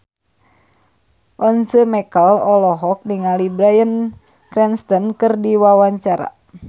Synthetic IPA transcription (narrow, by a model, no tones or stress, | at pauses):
ʔɔnsəmɛkəlɔlɔɦɔk̚niŋalibɾajən | kɾɛnst̪ɔnkɨrdiwawaɲt͡ʃaɾa̰